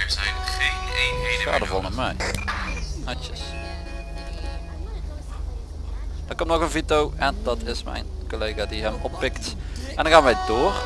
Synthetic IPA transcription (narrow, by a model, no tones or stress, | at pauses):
ɛɹzɛjnχejnejnexa̰ːdəvɔlˠnəmɛj | nat͡ʃəs | d̥ɑkɔmtnɔɣənvitowɛndɑtʰɪsmɛ̰jnkoleːɣaːdiɦɛmɔpːɪktʔɛndɑŋxaːnʋɛjdoːr